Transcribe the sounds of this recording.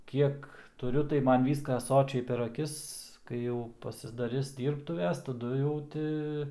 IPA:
ˈkʲiɛk tʊˈrʲʊ tɐɪ ˈmɐn ˈʋʲiːskɐ ˈsoːt͡ʃʲɛɪ pʲɛr ɐˈkʲɪs kɐɪ ˈjɛʊ pɐsʲɪdɐˈrʲɪs dʲiːrpˈtʊʋʲɛs tɐˈdʊ jɛʊ ˈtʲɪ

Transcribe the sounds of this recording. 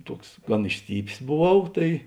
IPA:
ˈtuɔks ˈɡɐn ɪʃʲˈsʲtʲiːpʲeːs boːˈʋɐʊ ˈtɐɪ

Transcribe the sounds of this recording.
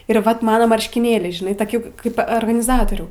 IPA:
ɪr ʋɐt ˈmɑːnoː mɐrʲʃʲkʲɪˈnʲeːlʲɛɪ ʒʲɪˈnɐɪ toːˈkʲɪ ˈkɐɪp oːrɡɐnʲɪˈzɑːtoːrʲuː

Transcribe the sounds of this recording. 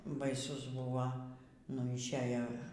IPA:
bɐɪˈsʊs ˈbʊʋɐ nʊ ɪʃʲˈæːjoː

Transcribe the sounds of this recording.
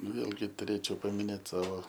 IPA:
ˈʋʲeːlʲɡʲɪ tʊˈrʲeːt͡ʃʲɛʊ pɐmʲɪˈnʲeːt ˈsɑːʋoː

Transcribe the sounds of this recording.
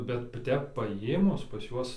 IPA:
bʲɛt ˈtʲɛp pɐˈjeːmʊs pɐs ˈjuɔs

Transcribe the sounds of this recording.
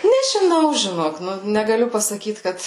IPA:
nʲɛʒʲɪˈnɐʊ ʒʲɪˈnoːk ˈnʊ nʲɛɡɐˈlʲʊ pɐsɐˈkʲiːt ˈkɐt

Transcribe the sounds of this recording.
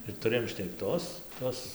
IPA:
ɪr tʊˈrɘjoːm ʃʲnʲɛkˈtoːs ˈtoːs

